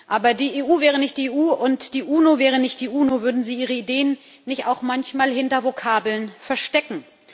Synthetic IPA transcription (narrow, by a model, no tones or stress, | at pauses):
ʔaːbɐdiːeːʔuːvɛːʁ̞ənɪçt̚d̥iːeːʔuːʊntd̥iːʔuːnovɛːʁ̞ənɪçt̚d̥iːʔuːnovʏɐdn̩ziːʔiːʁəideːənː | ɪçtaʊxmançmaːlhɪntɐvokʰaːbl̩nfɛɐʃtɛkŋ̩